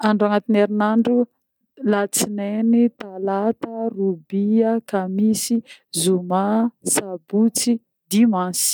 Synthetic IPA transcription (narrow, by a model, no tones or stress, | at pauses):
aɳɖ͡ʐaŋat̪ineɾinaɳɖ͡ʐu | lat͡sinenit̪alat̪ərubiakamisizumasabut͡si | d̪imansi̥